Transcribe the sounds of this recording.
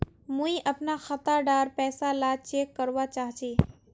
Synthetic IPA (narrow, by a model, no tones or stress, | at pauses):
muiʔəpnaxət̪aɖaɾpɛːsalat͡ʃeːkːəɾʋat͡ʃaːɦt͡ʃi